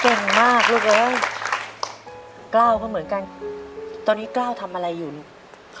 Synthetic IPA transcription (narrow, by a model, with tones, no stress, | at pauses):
ke˨˩ŋmaː˥˩k̚luː˥˩k̚lɤː˧˦˥ | klaː˥˩wkʰɔː˥˩mɯ˩˦nka˧n | t̪ɔː˧nːiː˦˥klaː˥˩wt̪ʰa˧mʔa˧ɾa˧jːu˨˩n˩